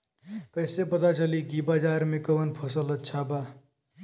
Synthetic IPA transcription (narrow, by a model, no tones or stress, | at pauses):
kəɪsepət̪at͡ʃəlikibad͡ʒaːɾmẽkəʋənpʰəsələt̪̚t͡ʃʰaba